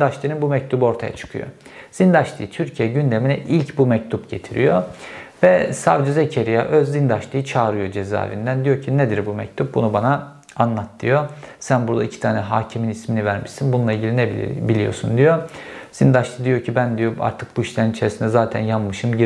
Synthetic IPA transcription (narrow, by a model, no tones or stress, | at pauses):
d̪aʃlˠɯɾɯnbumɛc̚t̪ʰubɯo̞ɾt̪ʰaja̰t͡ʃʰɯ̥kʰɯjo̰z̥ind̪aʃlˠɯjɯt̪ʰyɾcʰijɛɟynd̪e̞minɛʔilʲcbumɛc̚t̪ʰupɟe̞t̪ʰiɾḭjovɛsavd͡ʒyzecʰeɾijaʔøzːind̪aʃlˠɯjɯt͡ʃʰaːɾɯjo̞d͡ʒeza̰ːvḭnd̪ænd̪ijo̞cʰined̪iɾbumɛ̰c̚t̪ʰup̚bunubana | anlˠat̪ʰːɯjosænbuɾd̪aicʰi̥t̪ʰaːnɛɦaːcʰiminisminivæɾmiʃsinbununˠailʲɟilʲinɛb̰bilʲijo̞̰sund̪ijoz̥ind̪aʃlˠɯd̪ijo̞cʰibænd̪ijo̞a̰ɾt̪ʰɯk̚buiʃlʲæɾinit͡ʃʰeɾsinɛzaːt̪ʰæ̰njanmɯʃɯmɟi